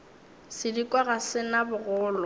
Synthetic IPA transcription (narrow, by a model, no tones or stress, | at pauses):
sɪdikʼwaɣasɪnabʊɣʊːlɔ